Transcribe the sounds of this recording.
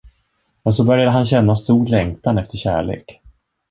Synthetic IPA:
mɛns̬ɔbœɾjad̪əɦanɕɛnːast̪uːɾɭɛŋt̪anɛft̪əɕæ̰ːɭḛːk

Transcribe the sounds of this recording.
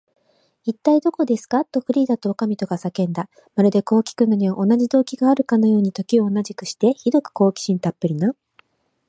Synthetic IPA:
it̪ːaid̪o̞ko̞d̪e̞sɨ̥kat̪ːo̞ɸɯ̟ɾʲiːd̪at̪o̞ːkamʲit̪o̞ɡasakẽ̞nd̪a | maɾɯ̟d̪e̞ko̞ːkʲi̥kɯ̟nːoɲiβaʔo̞naʑid̪o̞ːkʲiɡaːɾɯ̟kano̞jo̞ːɲ̟it̪o̞kʲioːnaʑikɯ̟ɕi̥t̪e̞çid̪o̞kɯ̥ko̞ːkʲi̥ɕĩnt̪apːɯ̟ɾʲinã

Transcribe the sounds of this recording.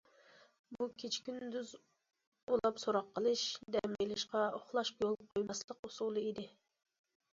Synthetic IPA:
bukʲʰet͡ʃʰkʲynd̪yz | olˠɑpsoɾɑqʰːəlˠɨʃd̪ɛmɛlɪʃqɑoχlˠɑʃjolˠqʰojmɑslˠəqusulˠɨid̪ɪ

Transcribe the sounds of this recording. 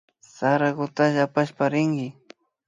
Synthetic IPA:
saɾaɡʊt̪aʒapaʃpaɾɪŋɡɪ

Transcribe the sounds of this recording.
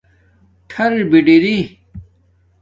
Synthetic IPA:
ʈʰɐɾbiɖiɾi

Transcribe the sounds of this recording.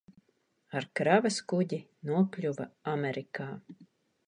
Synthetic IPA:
aɾkɾavɐskuɟi | nuɔpʲlʲuvaamɛɾikaː

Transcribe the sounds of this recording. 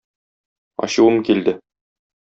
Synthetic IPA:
ɒ̰ɕuwɤmkild̪ɘ

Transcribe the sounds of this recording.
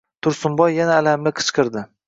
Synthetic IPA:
t̪ʰʊɾsʊmbɒjːanaːlamlɪqʰɨ̥t͡ʃqɨɾd̪ɪ

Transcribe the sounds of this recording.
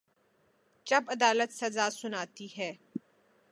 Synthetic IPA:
t͡ʃɐbɐd̪aːlət̪sɐzaːsʊnaːt̪iɦɛː

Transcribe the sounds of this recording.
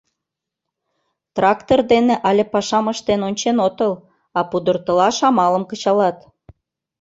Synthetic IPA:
t̪rɑkt̪ord̪eneʔɑlʲepɑʃɑməʃt̪enonʲt͡ɕenot̪əl | ɑpud̪ərt̪ə̆lɑʃɑmɑləmkət͡ɕɑlɑt̪

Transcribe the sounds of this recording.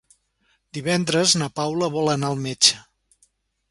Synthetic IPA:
d̪iβɛnd̪ɾəznəpawləβɔlənaəlˠmet͡ʃə̥

